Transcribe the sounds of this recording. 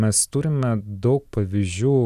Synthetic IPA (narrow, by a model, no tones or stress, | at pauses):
mʲɛst̪ʊɾʲɪmʲɛd̪ɐʊk̚pɐʋʲiːzʲuː